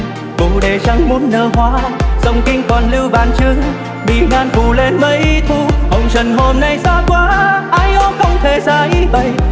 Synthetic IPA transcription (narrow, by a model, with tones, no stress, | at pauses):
vʊ̰˧˩ɗe˨˩t͡ɕa˧˦ŋmu˨˧˦nːəː˧˩ɦwaː˧˦zə˧˩wŋ͡mkï˧ŋ̟kɔ˨˩nlɨ˧wɓaː˨˩nt͡ɕɨ˧əŋ | mḭ˧˩˨naː˧nfu˧˨˩le˧nmə˧˦jt̪ʰu˧˩hə˨˧˩wŋ͡mt͡ɕə˨˩nɦo˧mna˧jsaː˧˥kwaː˨˧˦ʔaː˧˥jʔɔ˧˦xə˧wŋ͡mt̪ʰe˨˩zaː˧˩jɓə˧˩j